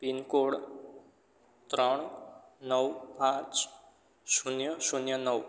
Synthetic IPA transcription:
pinkoɽ | t̪ɾəɳ̃nəwpãt͡ʃ | sunjəsunjənəw

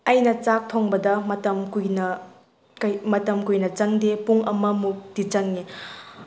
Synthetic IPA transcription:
ɐjnɐt͡ʃak̚tʰoŋbɐdɐmɐtɐmkujnɐ | kmɐtɐmkujnɐt͡ʃɐŋdepuŋɐmɐmuk̚dit͡ʃɐŋːe

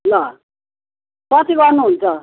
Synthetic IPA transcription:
lʌ | kʌt̪iɡʌɾnuɦunt͡sʰʌ

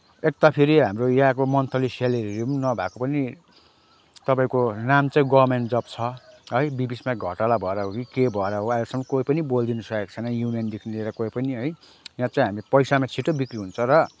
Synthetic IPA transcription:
ek̚t̪apʰiɾiɦamrojaãkomʌnt̪ʰʌliseleɾiennʌbʱakopʌni | t̪ʌpaĩkonamt͡sãĩɡʌrmeɳʈd͡zʌpt͡sʰʌɦʌjbibismaɡʱʌʈalabʱʌeɾaɦokikebʱʌeɾaɦoajlesʌŋmʌkoipʌnibold̪inusʌek̚t͡sʰʌnʌjunijʌnd̪ekʰnileɾʌkoipʌniɦʌj | jãt͡sãĩɦamiepʌjsamat͡sʰiʈobikɾiɦunt͡sʰʌɾʌ

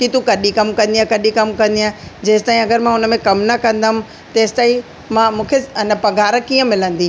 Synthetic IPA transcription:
kit̪ukɐɗĩkɐmkɐ̃nd̪iakɐɗĩkɐmkɐ̃nd̪iaːd͡ʑeːsɪ̥t̪aːĩɐɡəɾmãʊnə̆mẽkɐmnɐkɐ̃nd̪amʊ̃̆ | t̪eːsɪ̥t̪aːĩ | mãmũːkʰeɪnəpɐɡʱaːɾəkiːə̃mɪlə̃nd̪i

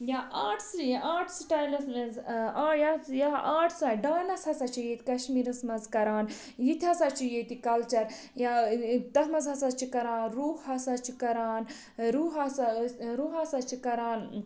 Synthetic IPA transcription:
jaaːʈʰsaːʈʰsʈaːjlɐsmezaːjɐjaaːʈʰsaɖaːnɐsɐsɐt͡ʃʰijet̪kɐʃmiːɾɐsmɐnzkɐɾaːn | jit̪ʰʲɐsɐt͡ʃʰijet̪ikɐlt͡ʃɐɾ | jat̪ɐɦmɐzɦɐsɐt͡ʃʰikɐɾaːnɾuːhhɐsɐt͡ʃʰikɐɾaːn | ɾuːɦɐsɾuːɦɐsɐt͡ʃʰikɐɾaːn

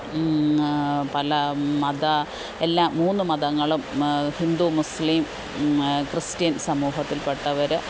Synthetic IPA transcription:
pɐlɐmɐd̪ɐ | e̞lːaːmuːnːɨmɐðɐŋːɐɭumhind̪umusliːm | krɨstijɐnsɐmuːɦɐt̪ːilpeʈːɐʋɐɾɨ

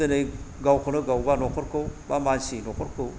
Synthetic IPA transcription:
ɯnɯj | ɡawkʰonɯɡawbanɔkʰɔɾkɯwbamansinɔkʰɔɾkɯw

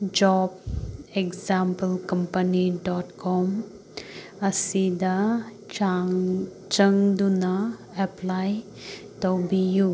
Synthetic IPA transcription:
d͡ʒɔbekzampəlkɐmpəniɖɔʈkɔm | ɐsid̪a | a | t͡ʃɐŋd̪una | ɛplaj | tɔbiju

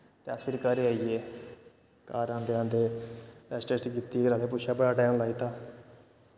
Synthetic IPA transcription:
t̪easpʰɪɾkəɾeaːieː | kaːɾãːnd̪eːãːnd̪eːpɛːsʈesʈkiːt̪iːɾaːleːpʊʃaːbəɽaːʈɛːnlaːiːt̪aː

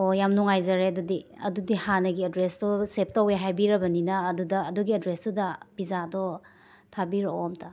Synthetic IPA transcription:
ojamnuŋajzɐɾeɐdudiɐ̰dudihanɐɡiɐdɾesdɔsep̚tɐweɦajbiɾɐbɐninɐːdudɐːduɡiɐdɾesdudɐb̥izadɔ | tʰabiɾoomtʰɐ

